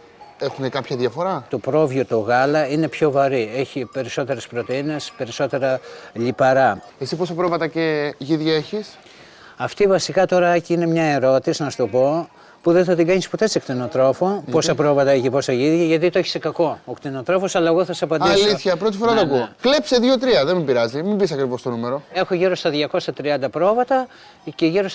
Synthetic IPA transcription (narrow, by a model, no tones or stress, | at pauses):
exunekɐpçɐðjɐfo̞ɾɐt̪opɾo̞vʝot̪o̞ɣɐlɐinepço̞vɐɾie̞çipe̞ɾiso̞t̪e̞ɾe̞spɾot̪eine̞spe̞ɾiso̞t̪e̞ɾɐʎipɐɾɐ | esipo̞sɐpɾovɐt̪ɐceʝiðʝɐeçis | ɐft̪ivɐsikɐt̪o̞ɾɐɐciine̞mɲɐeɾo̞t̪isinɐst̪opo̞ | puðeθɐt̪iɡɐɲispot̪e̞ssekt̪inot̪ɾo̞fopo̞sɐpɾovɐt̪ɐecipo̞sɐʝiðʝɐʝɐt̪it̪oeçi̥sekɐko̞okt̪ino̞t̪ɾo̞fo̞sɐlɐeɣo̞θɐssɐpɐnd̪isliθçɐpɾo̞t̪̬ifo̞ɾɐt̪oɐkuklepseðʝot̪̬ɾiɐðemibiɾɐzimibis̬ɐkɾivost̪onumeɾo̞e̞xoʝiɾo̞st̪ɐðʝɐko̞sɐt̪ɾiɐnd̪ɐpɾo̞vɐt̪ɐ | ceʝiɾo̞s